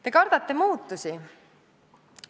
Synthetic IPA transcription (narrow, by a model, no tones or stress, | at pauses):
t̪e̞kɑɾd̪̥ɑt̪ˑːe̞muːt̪ːˑusi